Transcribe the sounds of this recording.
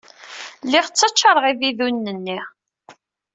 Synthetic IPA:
lɪʁt͡sːət͡ʃːɑɾˤəʁiviðunːənːi

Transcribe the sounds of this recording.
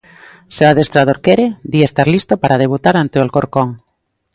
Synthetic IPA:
seaðest̪ɾað̞oɾkɛɾed̪iaest̪aɾlist̪opaɾað̞eβut̪aɾant̪eolkoɾkoŋ

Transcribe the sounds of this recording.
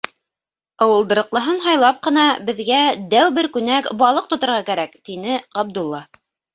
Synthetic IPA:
ɑwɤ̆lˠd̪ɤ̆ɾɤ̆qlˠɤ̆ɦɤnɦɑjlˠɑp̚qɤ̆nɑbɘ̆ðɡæd̪æwbɘɾkʉnækbɑlˠɤq̚t̪ŏt̪ŏɾʁɑkæɾækt̪inɘʁɑb̚d̪ulˠːɑ

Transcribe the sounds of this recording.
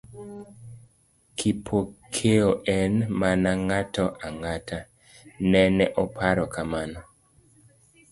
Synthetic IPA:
kʰipʰokʰeoʔɛnmanaŋatɔʔaŋatʰa | nɛnɛʔɔpʰaɾɔkamanɔ

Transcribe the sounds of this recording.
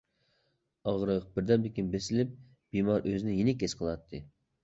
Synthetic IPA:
ɑʁɾəq̚b̥ɪɾd̪ɛmb̪ɪkʲinbesɪlɪp̚ | b̥imɑɾʔøzɪnɪjinɪkʲesqʰəlˠɑt̪ʰːɨ

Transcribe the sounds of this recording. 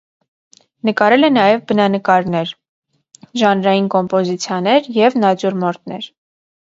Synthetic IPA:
nəkɑɾɛlɛnɑjɛvbənɑnəkɑɾnɛɾ | ʒɑnɾɑjinkɔmpɔzit͡sʰjɑnɛɾjɛvnɑd͡ʒuɾmɔɾt̪̚ʰnɛ̰ɾ

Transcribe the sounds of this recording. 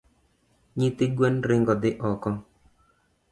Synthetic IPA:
ɲɪt̪ɪɡwɛnɾɪŋɡɔd̪ɪʔɔkɔ

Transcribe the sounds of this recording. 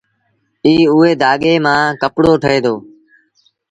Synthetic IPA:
iːʊeːd̪aːɠeːmãːkəpɽoːʈʰəeːd̪oː

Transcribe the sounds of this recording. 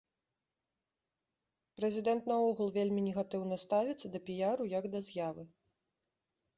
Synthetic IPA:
pɾɛzʲid̪ɛnt̪nɐɔɣulˠvʲelʲmʲinʲɛɣat̪ɨwnɐst̪avʲit̪sːɐd̪ɐpʲijaɾujɐɡd̪ɐzʲjavɨ

